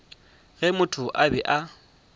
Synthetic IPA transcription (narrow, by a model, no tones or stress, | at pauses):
ɣɛmʊtʰʊʔabɛʔa